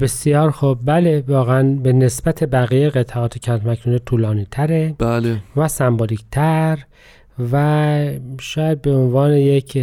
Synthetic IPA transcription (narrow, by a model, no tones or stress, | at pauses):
be̞sjɒːɾxob̚bælevɒːɣeænbenesbæt̪ʰebæɣiːjeɣet̪ʰɑɒːt̪ʰecʰæt̪mækʰnud̪et̪ʰuːlɒːniːt̪ʰæɾebalevæsæmboliːct̪ʰæɾ | væ | ʃɒːjæd̪̚beonvɒːnejekʰ